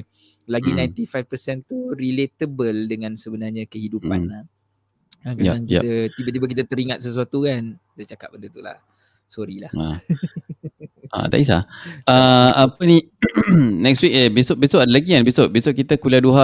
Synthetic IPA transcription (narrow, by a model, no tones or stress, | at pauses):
laɡinãjnt̪ifajfpəsɛnt̪uɾilet̪əbəldəŋãnsəbənarɲakəhiduppana | akjaaŋkia̰t̪ət̪ibat̪̬ibak̬it̪ət̪əɾiŋat̪̚səs̬uat̪ukan | dət͡ʃakap̚bəndət̪ula̰h | sɔɾilaha̰ | a̰t̪a̰ʔis̬a̰əapəni | nɛkstwik̚jabesoʔbesoʔadalaɡikanbesoʔ̚besoʔ̚kit̪əkuliaduɦa